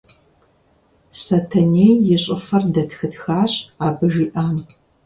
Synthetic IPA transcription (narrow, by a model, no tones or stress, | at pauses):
sɐtʰɐneːjjɪɕʼɪfɐrdɐtxɨtxaːɕʼaːbɨʒiːʔaːm